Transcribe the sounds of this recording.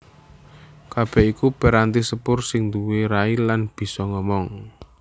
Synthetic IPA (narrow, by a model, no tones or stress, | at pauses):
kab̥ɛ̤ikupɛɾant̪isəpʊrsɪŋnd̪uweɾailanb̥i̤sɔŋɔmɔŋ